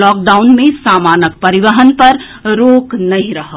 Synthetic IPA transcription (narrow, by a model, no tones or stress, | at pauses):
lɔːk̚ɖaːʊnmẽsaːmaːnək̚pɐɾɪʋəɦənpɐɾ | ɾoːknɐɦĩɾɐɦə